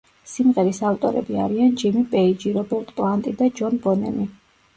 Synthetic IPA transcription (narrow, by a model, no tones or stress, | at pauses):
simʁɛɾisaft̪ʼɔ̰ɾɛ̰bia̰ɾiand͡ʒimipʼɛid͡ʒiɾɔbɛɾt̪ʼpʼlˠant̪ʼid̪ad͡ʒɔnbɔnɛ̰mi